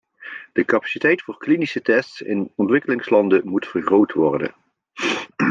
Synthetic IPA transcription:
d̥əkapḁsitɛjtfʊːɹklinisətɛstsɪ̰nɔntʋɪkəlɪŋslɑndəmutfərχrowtʋɔɹdə̰n

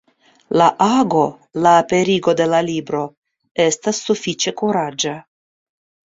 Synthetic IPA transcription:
laʔaɡo̞ | laːpe̞ɾiɡo̞d̪e̞lalibɾo̞ | est̪asːufit͡ʃe̞kuɾad͡ʒa

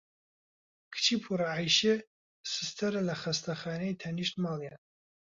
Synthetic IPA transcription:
kʰɨ̥t͡ʃʰiːpʰuɾaʕajʃe | sɨst̪ʰɐɾɨlɐxɐst̪ɐxaːnejt̪ʰɐniʃt̪mɑːlˠjan

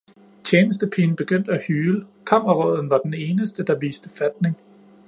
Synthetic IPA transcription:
t͡ɕʰjeːnəsd̥əpʰiːn̩b̥e̝ɡ̥øn̰d̥æhyːləkʰɑm̰ɐʁɔð̰ˠn̩ʋɑ̈d̥ene̝ːnəsd̥əd̥ɑ̈ʋḭːsd̥əfæd̥̚ne̝ŋ

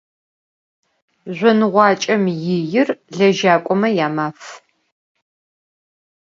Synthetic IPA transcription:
ʑʷɔnɨʁʷɑːt͡ʃʼɐmjɪjɪrɮɐʒaːkʷʼɔmɐjaːmaːf

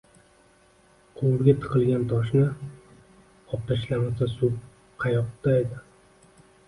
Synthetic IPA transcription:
qʰowɾɡʲat̪ʰɨ̥qʰɨlˠɡʲant̪ʰɒʃ̬nɪ | ɒp̚t̪aʃlamɪsasu | qʰɑjɒq̚t̪ʰaed̪ɪ

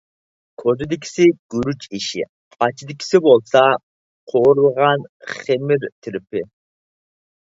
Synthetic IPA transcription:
kʰozɪd̪ɪkʰʲsɪɡ̥uɾut͡ʃiʃɪ̰ | qɑt͡ʃʰid̪ɪkʲʰi̥sɪbolˠsɑ | qʰoɾlˠʁɑnχemɪɾt̪ʰɪɾɪpʰɪ

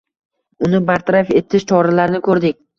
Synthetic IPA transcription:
ʊnɪbaɾt̪ʰaɾafe̞t̪ʰɪʃt͡ʃʰɒɾalaɾnɪkʰɵɾd̪ɪk̚ʲ

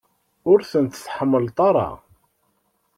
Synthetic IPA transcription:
ʊɾθənt̪θħəmːəlt̪ˤɑɾˤɑ̰

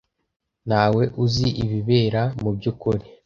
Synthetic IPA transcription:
naːwe̞ʔuziʔiβiβe̞ːɾamubɟuːkuɾi

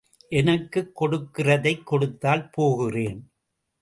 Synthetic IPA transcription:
ʔɛnɐkːɯkːɔɽɯkːɪrɐðɐɪkːɔɽɯt̪ːaːlpoːɣɪreːn

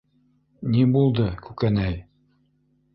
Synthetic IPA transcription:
nibulˠd̪ɤkʉkænæj

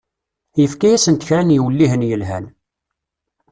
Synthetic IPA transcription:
jəfkæjæsənt̪ə̥çɾænjiwəlːiɦənjəlɦæ̰n

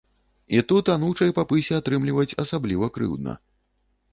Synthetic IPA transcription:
it̪ut̪anuwt͡ʂɐjpapɨsʲɛat̪ɾɨmlʲivɐt͡sʲɐsablʲivɐkɾɨ̰wd̪̚nɐ̰

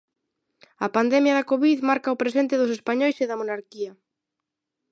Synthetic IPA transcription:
ɐpand̪ɛmjɐðɐkoβiðmaɾkaʊpɾesent̪ɪðʊsespaɲojseðɐmonaɾkiɐ

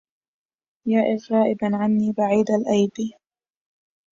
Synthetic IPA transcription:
jaːʔɪɣɾɑːʔɪbanʕanːiːbaʕiːd̪alʔajbiː

